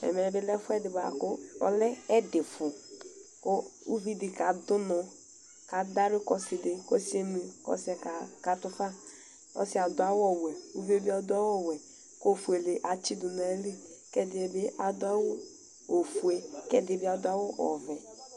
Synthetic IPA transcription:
ɛ̰˨mɛ˨˦bɪ˦lɛ˦fu˦ɛ˦dɪ˨ba˨kʊ˦ɔ̰˨lɛ˦ɛ˦dɪ˨fʊ˨ko˦u˦vi˦di˨ka˨dʊ˦nɔ˨ | ka˨da˦ɾɪ˦kɔ˦sɪ˨dɪ˨kɔ˦si˦e˦mi˨kɔ̰˦sɛ˨ka˨ka˨tʊ˦fa˦ | kɔ̰˦sɪ˦a˨dʊ˨a˦wɔ˦wɛ˨u˦ve˦bi˦a˨dʊ˦a˦wɔ˦˨wɛ˨ | ko˦˨fu˨e˨le˨ʔa˨t͡ʃi˦du˨n˨aɛ˨˦li˦ | kɛ˦dɪ˨e˨be˦ʔa˨dʊ˦a˦wo˦ | o˨fu˨e˨kɛ˦de˨bi˦a˨dʊ˦a˦wɔ˦ʔɔ̰˨vɛ˨

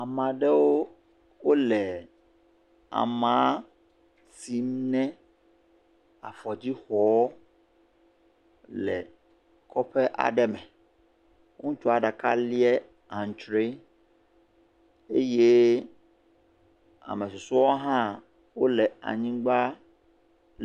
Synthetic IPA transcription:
a˨mã˨ɖɛ˦wo˦ | wo˦lɛ˨ | a̰˨mã˦ | ti˨m˦nɛ̃˦ | a̰˨fɔ˨d͡ʑi˦xɔ˨˦ | lɛ̰˨ | kʰɔ˦ɸɛ˦ʔa̰˨ɖɛ˦mɛ̃˨ | ŋ̩˦t͡ʃɔ˦a˨ɖa˨ka˦li˦ɛ˦ | ã˨n˨t͡ʃɾe˦ | e˦je˦ | a̰˨mɛ̃˨su˨su˦ɔ˦ɦã˦ | wo˦lɛ˨a̰˨ɲĩ˦ɡ͡ba˦

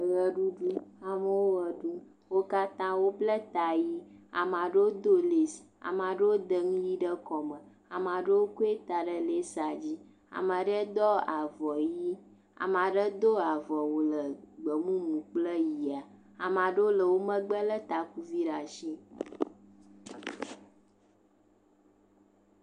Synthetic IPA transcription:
ɣə˨ɖu˦ɖu˦a˨mə˨wo˦ə˨ɖu˦ | wo˦ka˦t̪ã˦wo˦blə˦t̪a˨ji˦a̰˨m˨ã˨ɖə˦wo˦d̪o˦le˨sa̰˨mã˨ɖə˦wo˦d̪ə˦ŋũ˦ji˦ɖə˦kɔ˨mə̃˨ | a˨m˨a˨ɖə˦wo˦ko˦e˦t̪a˨ɖə˦le˦sa˨d͡ʑi˦ | a̰˨ma˨ɖə˦d̪ɔ˦a˨vɔ˨ji˦ | a̰˨ma˨ɖə˦d̪o˦a˨vɔ˨wo˨lə˨ɡ͡bə˨mũ˦mũ˨k͡plə˦ji˨a˨ | a˨mã˨ɖə˦o˦lə˨wo˦mə̃˦ɡ͡bə˦lə˦t̪a˨ku˦vi˦ɖa˨ʃi˦

